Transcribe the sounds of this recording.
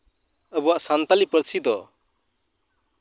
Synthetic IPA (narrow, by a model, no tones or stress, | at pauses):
əbuwaʔsant̪alipəɾsʰid̪ɔ